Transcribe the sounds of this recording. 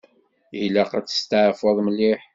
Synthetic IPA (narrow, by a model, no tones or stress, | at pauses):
læqæt͡sːə̥st̪əʕfəðˤməlːiħ